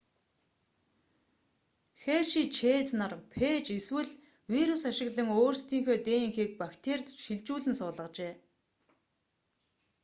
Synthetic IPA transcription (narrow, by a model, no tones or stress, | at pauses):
xeːʃiːt͡ɕʰeːt͡snarmpʰeːt͡ɕeswɘ̆ɮ | wiɾusaʃɪ̆ɣɮə̆ŋoːrst̪ʰiːŋxoːt̪eːŋxiːk̚pakt̪ʰert̪ʃiɮt͡ɕuːɮɘ̆nsʊːɮə̆qt͡ɕeː